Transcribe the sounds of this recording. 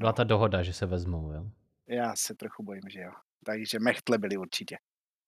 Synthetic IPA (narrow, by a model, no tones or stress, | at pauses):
bɪlat̪adoɦodaʒɛsɛvɛzmowjoː | jaːsɛt̪ɾoxubo̞jimʒɛjo | t̪aɡʒɛmɛxt̪lɛbɪlɪuɾt͡ʃɪcɛ